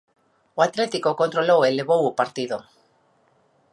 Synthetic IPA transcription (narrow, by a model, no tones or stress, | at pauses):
oat̪ɾet̪ikoko̞nt̪ɾoloweleβowupaɾt̪iðo